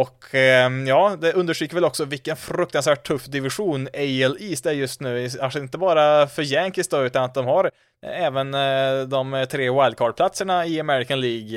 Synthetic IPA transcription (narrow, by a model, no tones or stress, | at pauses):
ɔkʰjɑːd̪ɛɵnd̪əʂʈɾyːkːəvɛlɔksɔvɪlkːənfɾɵk̚t̪ansvæːʈ̚t̪ʰːɵfːd̪ɪvɪɧuːnɛɪɛliːsd̪ɛɾjɵst̪nʉ̟ːkʰanʂɪnt̪əbɑːɾafœɾjɛŋkɪst̪ɔʉ̟ːt̪anat̪̚d̪ɔmhaɾ | ɛːvənd̪ɔmt̪ʰɾeːwaɪl̚kʰɑːɖpʰlat̪səɳaɪamɛɾɪkanliːɡ